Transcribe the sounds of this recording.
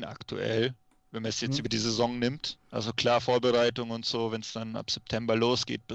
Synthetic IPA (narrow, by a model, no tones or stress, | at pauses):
nʔa̰ktʰṵʔɛ̰l | vɛnmanɛsjɛt͡sʔyːbɐdiːzezɔŋnɪmtʔalzokl̥aːɐfoːɐbəʁaɪtʊŋʊntz̥oːvɛnsd̥ana̰pz̥ɛp̚tʰɛmbɐloːsɡ̥ḛːt̚b̥ɪ